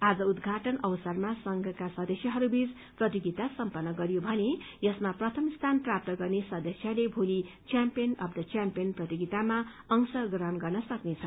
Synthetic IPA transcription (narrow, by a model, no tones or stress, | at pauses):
ad͡zʌud̪ɡʱaʈʌnʌwsʌrmasʌŋɡʱʌkasʌd̪ʌsjʌɦʌɾubit͡s | prʌt̪iɡit̪asʌmpʌnːʌɡʌɾijobʱʌnejʌsmaprʌt̪ʰʌmst̪ʰanprap̚t̪ʌɡʌrnesʌd̪ʌsjʌlebʱoli | t͡sjampijʌnʌb̚d̪ʌt͡sjampijʌnprʌt̪iɡit̪ama | ʌŋsʌɡɾʌnɡʌrnʌsʌknet͡sʰʌ